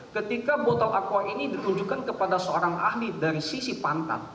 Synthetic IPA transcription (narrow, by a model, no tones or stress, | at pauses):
kət̪ikabɔt̪alʔakuwaʔinidit̪uɲd͡ʒukankəpadasəoɾaŋa̰hlidaɾisisipant̪a̰n